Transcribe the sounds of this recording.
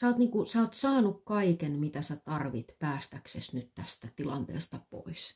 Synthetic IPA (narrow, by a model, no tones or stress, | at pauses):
sɑːt̪niːkusɑːt̪sɑːnukkɑikenmit̪æsæt̪ɑrʋit̪pæːst̪æksesnyt̪t̪æst̪æt̪ilɑ̰nt̪ḛːst̪ɑpo̰is